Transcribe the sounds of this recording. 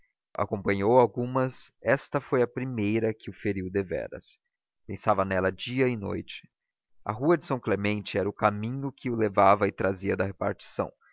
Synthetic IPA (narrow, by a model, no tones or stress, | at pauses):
a̰kõpɐ̃ɲowawɡũmɐsɛst̪ɐfojɐpɾimejɾɐkɪʊfeɾiwd̪evɛ̰ɾɐ̰s | pẽsavɐnɛlɐd͡ʒiɐɪno̰jt͡ʃɪ̥ | ɐ̰ɦuɐd͡ʒɪsɐ̃w̃klemẽnt͡ʃɪɛɾɐʊkamĩɲʊkɪʊlevavɐɪt̪ɾaziɐd̪ɐɦepaɾt͡ʃi̥sɐ̰̃w̃